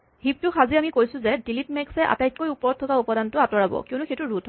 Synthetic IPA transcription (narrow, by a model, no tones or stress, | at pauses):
hip̚tʊxaziamikojsʊ̃zɛdilitmɛksɛʔa̰tajt̚kojupɔɹɔd̚tʰɔkaupɔdantʊatɔɹabɔ̰kiɔʊnuxejtuɹutʰ